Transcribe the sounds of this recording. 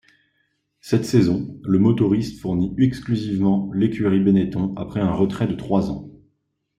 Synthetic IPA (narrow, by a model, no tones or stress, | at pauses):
sɛt̪sezɔ̃ləmɔt̪ɔʁist̪fuʁniɛksklyzivmɑ̃lekʲyʁibenet̪ɔ̃apχɛɛ̃ʁət̪χɛd̪ət̪χwazɑ̰̃